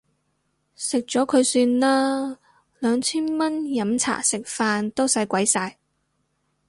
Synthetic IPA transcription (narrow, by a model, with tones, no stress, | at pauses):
sɪ˨k̚t͡ʃɔː˨˥kʰɵ˨˧ɥsyː˧nlaː˥ | lœː˨˧ŋt͡sʰiː˥nmɐ˥njɐ˨˥mt͡sʰa̰ː˨˩sɪ˨k̚faː˧nt̪o˥wsɐ˨˧˥jkʷwɐ˨˥jsaː˧j